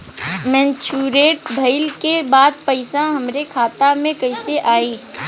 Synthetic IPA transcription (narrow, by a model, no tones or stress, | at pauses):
mɛ̃ːnt͡ʃuːɾeːʈ̚bʱɐɪlkebaːd̪̚pɐɪsaɦɐmɾekʰaːt̪amẽkɐɪseʔaːiː